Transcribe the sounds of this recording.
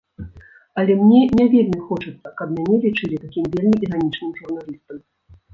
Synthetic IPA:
ɐlʲɛmnʲɛnʲavʲɛlʲmʲixɔt͡ʂɨt̪sːɐkɐbmʲanʲɛlʲit͡ʂɨlʲit̪akʲimvʲelʲmʲiʔiɾanʲit͡ʂnɨmʒurnalʲist̪ɐm

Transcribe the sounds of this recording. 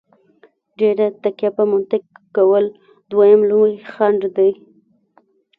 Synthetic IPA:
ɖeɾat̪akjapəmʊnt̪ɪkːawəl | d̪wajamlujxaɳɖd̪aj

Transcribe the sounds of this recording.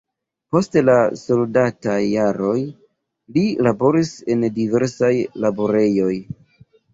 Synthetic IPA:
po̞stelaso̞ldatajːaɾo̞j | lilabo̞ɾise̞ndive̞ɾsajlabo̞ɾe̞jo̞j

